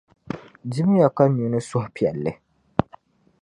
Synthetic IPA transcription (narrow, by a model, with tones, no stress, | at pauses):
di˦m˦ja˨ka˦ɲu˨nɨ˦sʊ˦hpi˨ɛ˨lːɨ˦